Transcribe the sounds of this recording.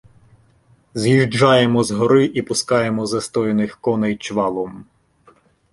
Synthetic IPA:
zjiʒd͡ʒɑjemɔzɦɔɾɪʔipʊskɑjemɔzɐst̪ɔjenɪxkɔnɛjt͡ʃʋɑlˠɔm

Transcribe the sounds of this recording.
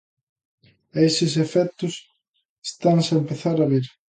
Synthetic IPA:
esɪs̬efɛt̪ʊs | est̪aŋsɐempeθaɾaβiɾ

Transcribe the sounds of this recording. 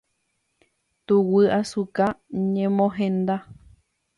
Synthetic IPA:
t̪uwɨasukaɲẽmõɦẽnd̪a

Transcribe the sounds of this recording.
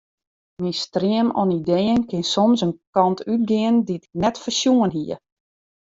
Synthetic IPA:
mistriəmɔnidejənkɪnsɔmsənkɑntʰyt̚ɡɪənditɪ̥knɛtfərsjuənɦiə

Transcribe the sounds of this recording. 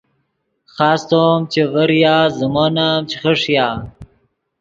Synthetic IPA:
xaːst̪omt͡ɕevɐɾjaːzəmoːnamt͡ɕʰiχəʂjaː

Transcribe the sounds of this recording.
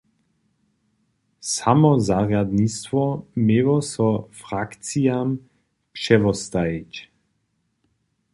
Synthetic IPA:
samɔzaʁjad̪nist̪vɔmewɔsɔfʁak̪t͡siam | pʃɛvɔst̪aic

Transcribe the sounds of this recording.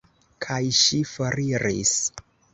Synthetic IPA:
kʰajʃifaɾiɾḭs

